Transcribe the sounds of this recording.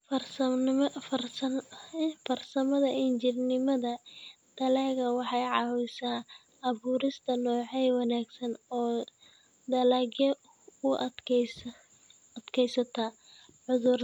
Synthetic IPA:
fɐrsɐfɐrs | fɐrsɐmɐðɐɪnt͡ʃɪrnɪmɐðɐ | d̪̥ɐlaːɣɐwɑħɑjʕɑwɪsaː | ʔɐβuːɾɪst̪ʰɐnɔːʕɛjwɑnaːɡsɐnɔː | d̪ɐlaːɡjɐ | ʊ | ɐd̪̥kʰɛjsɐt̪ʰɐ | ʕʊðʊr

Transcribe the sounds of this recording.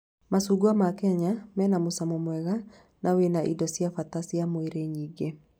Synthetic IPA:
masuɡwamakɛɲamɛːnamosamɔmwɛɣa | nʔawenaʔḭdɔsjafatasiamoeɾeɲiːɡe

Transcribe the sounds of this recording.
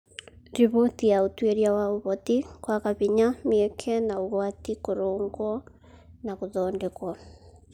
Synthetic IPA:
ɾiβotijaotweɾjawaoβɔtikwakaβiɲameɛkʰɛnaoɣwatikoɾoːŋɡwɔ | nakoðɔːndɛkwɔ

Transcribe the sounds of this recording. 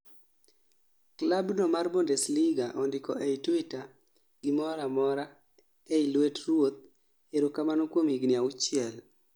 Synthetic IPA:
klabnɔmarbondɛsliɡaʔɔndɪkɔ̰eitwita | ɡ̥ɪmɔɾamɔɾa | eilwetrwot̪̚ | eɾokamanokwomiɡnɪaʊt͡ʃɪɛl

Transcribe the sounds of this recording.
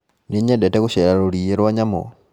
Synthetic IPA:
niɲɛdɛtɛkuʃɛɾaɾoɾieɾwaɲamo̰

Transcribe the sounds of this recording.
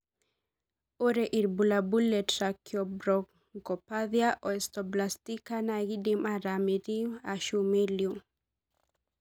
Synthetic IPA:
oɾɛʔiɾbulabulːɛtɾakjɔbɾɔk | ŋkɔpaðjaʔɔɛst̪ɔblastikanaɡidimaɾamiɾiaʃumiljum

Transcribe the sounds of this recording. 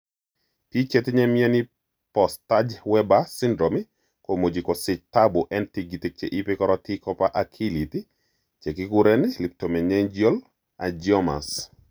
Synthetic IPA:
pit͡ʃɛtɲɛmjɛni | pɔstad͡ʒwɛbasɪndɾomi | komod͡ʒikosɪt͡ʃtabuʔɛntiɡitik̚t͡ʃeʔipekɔɾɔtikɔpaʔakʰiliti | t͡ʃekikuɾɛnilip̚tomɛɲɛɲd͡ʒjol | ad͡ʒɔma̰s

